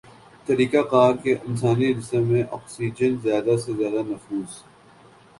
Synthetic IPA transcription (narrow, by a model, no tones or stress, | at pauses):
t̪ɐɾiːkaqaːɾkeʔɪns̬aːniɾɪsemːẽʔɔ̰ːksiːd͡ʒənzjaːd̪asezjaːd̪anɐfuːz